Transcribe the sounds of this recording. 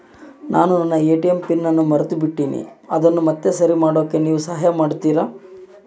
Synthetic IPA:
nʔaːnunɐnːɐeːʈijempinːɐnːumɐɾɐt̪ubiʈːiːnḭɐd̪ɐnːumɐt̪ːe̞sɐɾimaːɽo̞ːkːe̞niːʋusɐɦɐjɐmaːɽt̪iːɾaː

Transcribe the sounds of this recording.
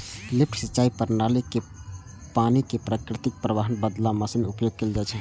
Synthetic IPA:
lɪp̚ʰʈsət͡ʃaːipəɾnaleke | paːnikepɾaːkɾɪt̪ɪk̚pɾəʋaːɦənbəd̪laməsemeʊpjoːɡ̚keːld͡ʒaːt͡ʃʰɛ

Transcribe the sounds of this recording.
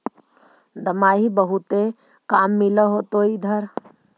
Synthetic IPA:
d̪əmaːɦibəɦut̪e | kaːmːɪləɦot̪oid̪ʱəɾ

